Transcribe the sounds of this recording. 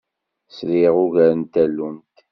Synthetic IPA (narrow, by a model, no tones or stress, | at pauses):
sɾiʁʊʝæɾənt̪ælːunt̪